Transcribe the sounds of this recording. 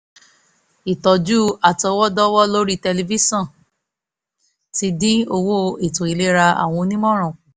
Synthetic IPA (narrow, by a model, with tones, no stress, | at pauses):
i˨tɔ˨d͡ʒu˦a˨tɔ˧˦wɔ˦dɔ˦wɔ˦lo˦ɾi˦tɛ˧li˧vi˦sɔ̃˦˨ | ti˧dĩ˦o˧wo˦e˦˨tũ˨i˨˧le˦ɾa˧a̰˨w̃ɔ̃˧nĩ˦mɔ̃˦ɾ̃ɔ̃˨